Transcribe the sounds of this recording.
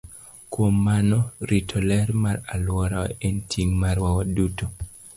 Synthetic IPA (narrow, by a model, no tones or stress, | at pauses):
kwomːanɔɾitʰɔlɛɾmaɾalwɔɾawentʰiŋmaɾwawaduto